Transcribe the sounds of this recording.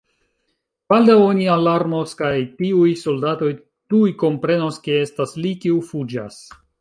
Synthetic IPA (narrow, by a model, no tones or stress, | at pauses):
b̥aldawo̞nialaɾmo̞skajtiujso̞ldato̞j | tujko̞mpɾe̞no̞ske̞e̞staslikiufud͡ʒa̰s